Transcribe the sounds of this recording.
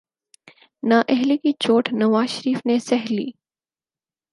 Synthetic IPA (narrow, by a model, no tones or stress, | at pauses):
naːʔɛɦlikit͡ʃoːʈʰnɐʋaːzʃəɾiːfnesɛɦlḭː